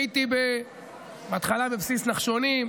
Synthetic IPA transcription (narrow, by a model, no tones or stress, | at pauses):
it̪ibe | bat̪χalabebsisnaχʃonim